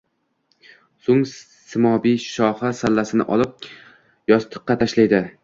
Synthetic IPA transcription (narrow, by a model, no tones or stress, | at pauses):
sʊŋ | sɪmɒbiʃɒhasalːasɪnɪ̰ʔɒlˠɪp̚ | jɒst̪ʰɨ̥qːɑt̪ʰaʃlajd̪ɪ